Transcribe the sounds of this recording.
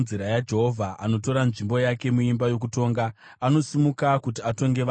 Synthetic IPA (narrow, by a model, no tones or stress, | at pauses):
ziɾajad͡ʒe̞ɦovʱaʔa̰no̞to̞ɾanʐimbo̞jake̞muimbajo̞k̬uto̞ːŋɡaː | no̞simukakutiato̞ŋɡe̞ʋa